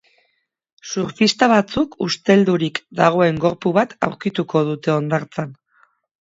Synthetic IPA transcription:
suɾfist̪aβ̞at͡sukust̪e̞ld̪uɾikd̪aɣ̞o̞e̞ŋɡo̞ɾpuβat̪a̰wɾkit̪uko̞ð̞ut̪e̞o̞nd̪aɾt͡san

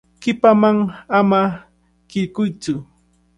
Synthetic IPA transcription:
kɪpamaŋama | kɪʎkʊjt͡sʊ

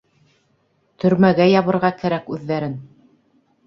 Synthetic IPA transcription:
t̪ʰɵ̆ɾmæɡæjɑβɤ̆ɾʁɑkæɾækʉðːæɾɘn

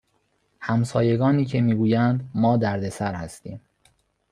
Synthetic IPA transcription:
hæmsɒːje̞ɡɒːniːcʰe̞miːɡuːjænd̪mɒːd̪æɾd̪e̞sæɾhæst̪ḭːm

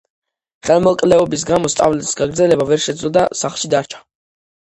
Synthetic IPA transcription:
χɛlˠmɔlˠkʼlɛɔbis̬ɡamɔst̪ʼa̰vlɛt̪ʼi̥sɡaɡɾdzɛlɛbavɛɾʃɛd̪zlɔd̪asaχlˠʃid̪aɾt͡ʃʰḁ

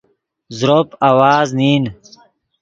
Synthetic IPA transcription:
zɾopawaːzniːn

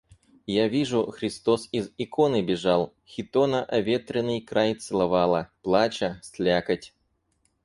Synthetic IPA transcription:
javʲiʐʊxɾʲɪst̪osizɪkonɨbʲɪʐalˠ | xʲɪt̪onəʔɐvʲet̪ɾʲɪnːɨjkɾajt̪sɨlˠɐvalˠəplˠat͡ɕəsʲlʲakətʲ

